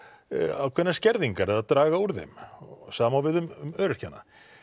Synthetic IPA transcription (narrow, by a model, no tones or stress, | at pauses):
a̰wkʰvɛnːascɛɾðiŋkaɾɛðat̪ɾaːɣauɾðɪ̰msaːmawvɪðʏmmœɾʏr̥cʰanːa̰